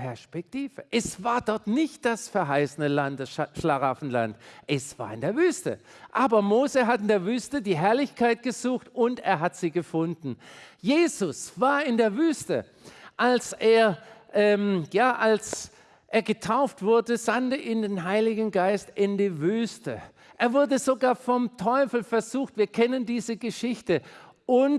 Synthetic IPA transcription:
pʰɛɐʃpɛk̚tiːvəʔɛsv̥aːɐdɔɐtnɪçt̚d̥asfɛɐɦaɪsənəlantəʃlaʁafn̩la̰ntʔɛsv̥a̰ːɐɪndeːɐvyːstə̰ʔaːbɐmoːzəɦatɪndeːɐvyːstədiːɦɛɐlɪçkʰaɪt̚ɡ̥əzuːxtʊntḛːɐɦatz̥iːɡəfʊndn̩jeːzʊsv̥aːɐɪndeːɐvyːstə | ʔalsʔeːɐʔɛːmjaːʔals | ʔeːɐɡətʰaʊftv̥ʊɐdəzandəʔiːndeːnɦaɪlɪɡŋn̩ɡaɪstɪndiːvyːstə | ʔeːɐvʊɐdəzoɡaːɐfɔmtʰɔʏfl̩fɛɐzuːxtv̥iːɐkʰɛnəndiːzəɡəʃɪçtə | ʔʊn

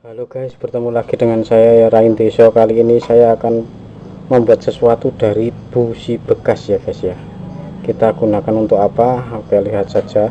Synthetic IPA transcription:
baloɡ̥ajsb̥ərt̪əmulaɡ̥i̤dəŋansajajaɾaɪnt̪esɔkaliːnisajaːkan | məmbuat̪̚səsuat̪ud̥a̤ɾib̥usib̥ə̤kasjaɡ̥ajsja | kit̪aɡ̥unakanunt̪ʊkapaapajaliɦat̪̚sad̥d͡ʒ̥a

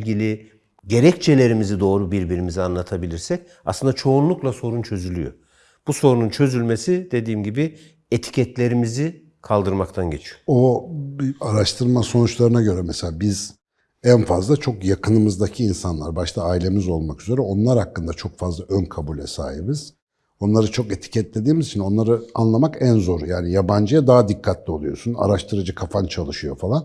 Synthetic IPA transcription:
lʲɟilʲi | ɟe̞ɾɛct͡ʃʰe̞lʲe̞ɾimizid̪o̞ːɾubiɾbiɾimizianlˠat̪ʰabilʲiɾsɛc | aslˠɯnd̪at͡ʃʰo̞unlˠuklˠaso̞ɾunt͡ʃʰø̞zylʲyjo̰ | b̥uso̞ɾununt͡ʃʰø̞zylʲme̞sid̪e̞d̪iːmɟibi | et̪ʰi̥cʰɛt̪lʲe̞ɾimizi | kʰalˠd̪ɯɾmak̚t̪ʰanɟe̞t͡ʃʰijoobiaɾaʃt̪ʰɯɾmaso̞nut͡ʃlˠaɾɯnaɟø̞ɾɛmɛselʲaːbiz̥ | ænfazlˠat͡ʃʰo̞kjakʰɯnɯmɯzd̪acʰiːnsanlˠaɾbaʃt̪ʰaːilʲe̞mizo̞lˠmakyze̞ɾɛo̞nlˠaɾhakːɯnd̪at͡ʃʰo̞kfazlˠaʔønkʰabuːlʲɛsa̰ːɦibɯz̥ | o̞nlˠaɾɯt͡ʃʰo̞ke̞t̪ʰi̥cʰɛt̪̚lʲed̪iːmiz̥t͡ʃʰino̞nlˠaɾɯa̰nlˠamakænzo̞ɾjaːnijaband͡ʒɯjad̪aɦad̪ikʰːat̪ʰlʲio̞lˠujo̞̰suna̰ɾaʃt̪ʰɯɾad͡ʒɯkʰafant͡ʃʰalˠɯʃɯjo̞̰falˠan

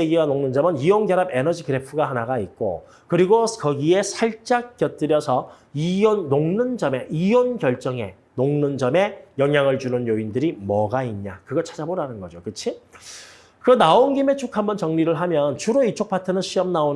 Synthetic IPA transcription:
eɡiɡanoŋnɯnd͡ʑʌmɯniwʌŋɡjʌɾabe̞nʌd͡ʑikɯɾe̞pʰɯɡaɦanaɡaik͈o̰ | kɯɾiɡokʌɡie̞sʰaɭt͡ɕ͈ak̚k͈jʌt̚t͈ɯɾjʌsʰʌ | ioːoŋnɯnd͡ʑʌme̞ʔijʌnɡjʌɭt͡ɕ͈ʌŋe̞ | noŋnɯnd͡ʑʌme̞jʌŋjaŋɯɭd͡ʑunɯnjoindɯɾimʌɡaiɲɲa̰kɯɡʌt͡ɕʰḁd͡ʑaboɾanɯnɡʌd͡ʑokɯt͡ɕʰi | kɯɾʌnaonɡime̞t͡ɕʰokʰambʌnt͡ɕʌŋɲiɾɯɭɦamjʌnt͡ɕʰuɾoit͡ɕʰok̚p͈atʰɯnɯnɕ͈ʰiʌmnaon

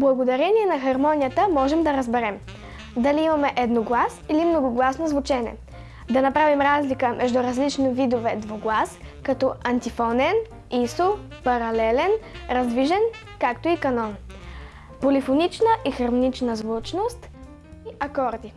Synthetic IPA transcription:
blˠɐɡod̪ɐɾɛnʲiɛnɐxɐɾmɔnʲijət̪əmɔʒɛmd̪ɐɾəzbɛɾɛm | d̪ɐliimɐmɛʔɛd̪noɡlˠasilimnoɡʊɡlˠasnozvʊt͡ʃɛnʲiɛ̰ | d̪ɐnɐpɾavimɾazlikəmʔɛʒd̪uɾɐzlit͡ʃnovid̪ovɛd̪voɡlˠaskɐt̪ɔɐnt̪ifɔnɛn | iso | pɐɾɐlɛlɛnɾɐzd̪viʒɛn | kakt̪oikɐnɔn | polifonit͡ʃnəʔixɐɾmonit͡ʃnəzvut͡ʃnost̪ | iɐkɔɾd̪i

